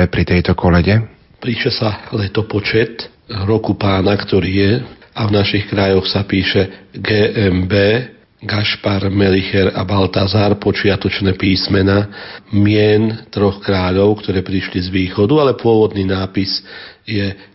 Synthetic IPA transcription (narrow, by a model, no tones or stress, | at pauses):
ɛpɾit̪ɛjt̪ɔkʰɔlɛɟɛ | pɾiːʃɛsalɛt̪ɔpɔt͡ʃɛt̪ | ɾɔkupaːnakt̪ɔɾiːjɛ | avnaʃixkɾajɔxsapiːʃɛɡɛːʔɛmbɛː | ɡaʃpaɾmɛlixɛɾabalt̪azaːɾpɔt͡ʃɪat̪ɔt͡ʃnɛːpiːsmɛnamɪɛnt̪ɾɔxkɾaːʎɔʊkt̪ɔɾɛːpɾiʃlizʋiːxɔd̪ualɛpʊɔʋɔd̪niːnaːpisjɛ